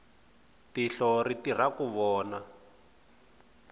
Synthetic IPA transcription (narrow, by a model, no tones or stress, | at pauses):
tiɬɔɾitir̤akuβɔːna